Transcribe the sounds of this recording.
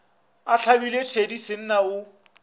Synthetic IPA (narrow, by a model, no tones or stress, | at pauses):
at͡ɬʰabiletʰedisɪn̩naʊ